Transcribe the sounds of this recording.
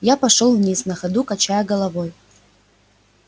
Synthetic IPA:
japɐʂolˠvnʲisnɐxɐd̪ukat͡ʃajɐɡɐlˠɐvoj

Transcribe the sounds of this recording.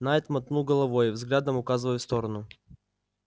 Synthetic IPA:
naɛt̪mɐt̪nuɡəlˠɐvojvzɡlʲad̪əmʊkazɨvəjfst̪oɾənʊ

